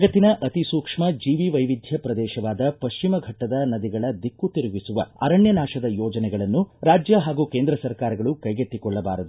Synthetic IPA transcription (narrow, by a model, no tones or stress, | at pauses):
ɡɐt̪ːinɐʔɐt̪isuːkʂmɐd͡ʒiːʋiʋɐjʋid̪ʱjɐpɾɐd̪ɛːʃɐʋaːd̪ɐpɐʃt͡ʃimɐɡʱɐʈːɐd̪ɐnɐd̪iɡɐɭɐd̪ikːut̪iɾuʋisuʋɐ̰ɐ̰ɾɐɳjɐnaːʃɐd̪ɐjɔːd͡ʒɐnɛɡɐɭɐnːuɾaːd͡ʒjɐɦaːɡuːkeːnd̪ɾɐsɐɾkaːɾɐɡɐɭukɐjɡet̪ːikɔɭːɐbaːɾɐd̪u